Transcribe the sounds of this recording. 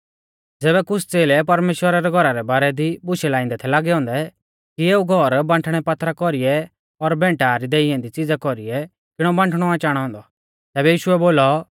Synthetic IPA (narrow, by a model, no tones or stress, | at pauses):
d͡zɛːbɛkʊsʰt͡seːlɛpɐɾmeːʃwəɾaɾɛɡʱɔɾaɾɛbaːɾɛd̪ibʊʃɛlaːɪ̃nd̪ɛt̪ʰɛlaːɡɛɦɔ̃ːnd̪ɛ | kieːuɡʱɔɾbãɳʈʰɽ̃ɛpat̪ʰːɾakɔɾijɛ | ɔɾbɛ̃ːɳʈaɾid̪eːɪɛ̃nd̪it͡sid͡zakɔɾiɛ | kɪɽ̃ɔbãɳʈʰɽ̃ɔãːt͡ʃaːɽ̃ɦɔ̃ːnd̪ɔ | t̪ɛːbɛjiːʃʊɛboːlɔ